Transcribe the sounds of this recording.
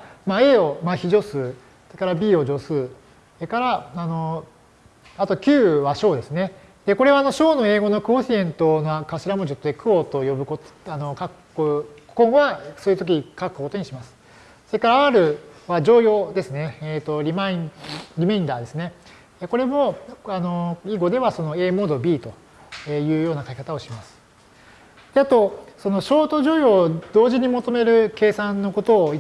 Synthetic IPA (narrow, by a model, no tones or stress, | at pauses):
mae̞ːo̞maçiʑo̞sɨː | soɾekaɾabʲiːo̞d͡ʑo̞sɨː | ekaɾaano̞ | at̪o̞kʲɨːβaɕo̞ːd̪e̞sɨne̞ | d̪̥e̞ko̞ɾe̞βaːno̞ɕo̞ːno̞e̞ːɡo̞no̞kɯ̟osʲiẽ̞nt̪o̞nakaɕiɾamo̞d͡ʑot̪ːoekɯ̟ot̪o̞jo̞bɯ̟koano̞kakkːokõ̞ɰ̃βasoːiɯ̟t̪o̞k̬ʲikakɯ̟koko̞t̪oɲ̟iɕimasɨ̥ | so̞ɾe̞kaɾaaɾɯ̟βaʑo̞ːjo̞ːd̪e̞sɨne̞et̪o̞ɾʲimaĩɾʲimeĩnd̪aːd̪e̞sɨne̞ | eko̞ɾe̞mo̞ano̞iɡo̞d̪e̞βaso̞no̞e̞ːmo̞ːd̪o̞bʲiːt̪o̞ | ejɯ̟ːjo̞ːnakakʲi̥kat̪ao̞ɕimasɨ̥ | d̪̥e̞at̪o̞so̞no̞ɕo̞ːt̪o̞ʑo̞ːjo̞ːd̪̥o̞ːʑiɲ̟imo̞t̪o̞me̞ɾɯ̟ke̞ːsãnːo̞ko̞t̪o̞ːi